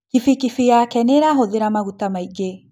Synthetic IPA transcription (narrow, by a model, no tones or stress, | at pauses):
kifikifijakɛneɾaɦoðeɾamaɣutamaiɡe